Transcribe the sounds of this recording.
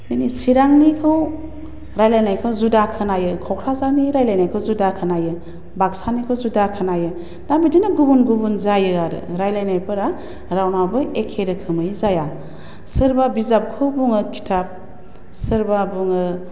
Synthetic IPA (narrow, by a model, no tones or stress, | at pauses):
ninisiɾaŋnikʰɯw | ɾajlajnajkʰɯwzudakʰɯnajɯkʰɔwkʰɾazaniɾajlajnajkʰɯwzudakʰɯnajɯ | baksanikʰɯwzudakʰɯnajɯ | nabidinaɡubunɡubunzajɯaɾɯ̰ɾajlajnajpʰɯɾa | ɾawnabɯekʰːeɾɯkʰɯmɯjzaja | sɯɾbabizap̚kʰɯwbuŋɯkʰi̥tʰap̚ | sɯɾbabuŋɯ